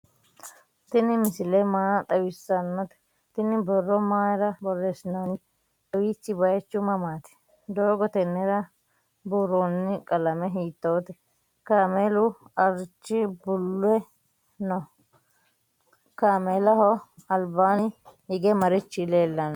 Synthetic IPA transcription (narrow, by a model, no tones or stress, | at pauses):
t̪ɪnɪmɪsɪlɛmaːt̪ʼɐwɪsːɐnːɔt̪ɛ̥ | t̪ɪnɪbɔrːɔmaːjɾɐbɔrːesɪnoːnɪ | t̪ʼɐwiːt͡ʃːɪbɐjɛt͡ʃːʊmɐmaːt̪ɪ̥ | d̪oːɡɔt̪ɛnːɛɾɐ | buːɾoːnːɪkʼɐlɐmɛɦiːt̪ːoːt̪ɛ | kaːmelʊɐɾt͡ʃːɪbʊlːʊɛ | nɔ | kaːmeːlɐɦɔɐlbaːnɪhɪɡɛmɐɾɪt͡ʃːɪleːlːɐn